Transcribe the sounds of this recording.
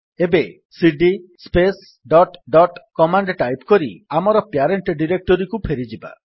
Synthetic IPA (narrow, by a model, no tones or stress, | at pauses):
ebe | siɖispes | ɖɔʈɖɔʈkɔmaɳɖʈajpkɔɾiamɔɾɔpjaɾeɳʈɖiɾek̚ʈɔɾikupʰeɾid͡ʒiba̰